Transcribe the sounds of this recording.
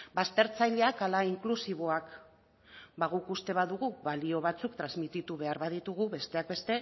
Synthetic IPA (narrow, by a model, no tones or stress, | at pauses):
bast̪e̞ɾt͡sajʎe̞akalaiŋklusiβ̞o̞ak | baɣukust̪e̞βaðuɣuβalio̞β̞at͡sukt̪ɾazmit̪it̪uβe̞aɾβaðit̪uɣuβe̞st̪e̞ak̚be̞st̪e̞